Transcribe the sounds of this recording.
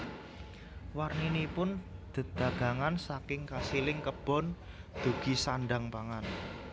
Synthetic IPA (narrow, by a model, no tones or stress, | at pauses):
warninipʊnd̪̥ə̤d̪̥ä̤ɡ̥a̤ŋansakɪŋkasilɪŋkəb̥ɔ̤n | d̪̥ṳɡ̥i̤saɳɖaŋpaŋan